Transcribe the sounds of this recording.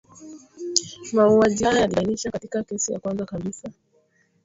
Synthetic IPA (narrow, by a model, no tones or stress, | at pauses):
mauaʄihajjaliniʃakati̥kakɛsija̰kwanzakaɓisa